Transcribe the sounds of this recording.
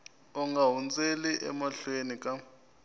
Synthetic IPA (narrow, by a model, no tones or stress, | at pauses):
ɔŋɡaɦunt͡sʼeliʔɛ̰maɬwenikʼa